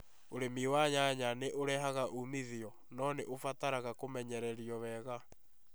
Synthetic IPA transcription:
oɾemiwaɲaɲaneʔoɾɛɦaɣaʔumiðiɔ | nɔneʔofataɾaɣakomɛɲɛɾɛɾiɔβɛɣa

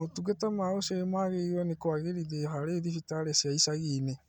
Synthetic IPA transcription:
otuɡetamaosemaɣeiwɛnekwaɣeɾiðehaɾeðifitaɾesjaisaɣine

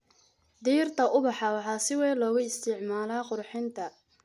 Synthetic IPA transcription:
d̪iːrt̪ʰɐʔʊbɑħɑwɑħɑːsɪwɛːlɔːɣʊɪst̪ʰɪʕmaːlaːqʊrħɪnt̪ʰɐ

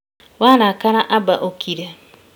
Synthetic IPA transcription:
waɾakaɾaʔabaʔokʰiɾe

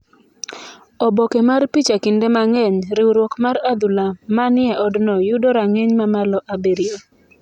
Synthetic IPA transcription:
ɔbɔkemarpit͡ʃakɪndemaŋɛɲɾɪwɾwɔkmaɾad̪ulamanɪɛʔɔdnɔjʊdɔɾaŋeɲmamalɔʔabeɾio

